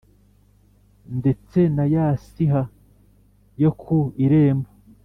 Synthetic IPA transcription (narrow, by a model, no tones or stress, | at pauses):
nde̞t͡se̞najasiɦa | jo̞kʰuiɾeːmba